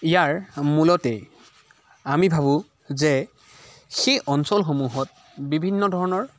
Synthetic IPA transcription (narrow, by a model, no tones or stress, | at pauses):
ijaɹmulɔtɛ | amibʱaβʊ̃ | zɛ | xejʔɔnsɔlxomuɦɔt̚ | bibʱinːɔdʱɔɹɔnɔɹ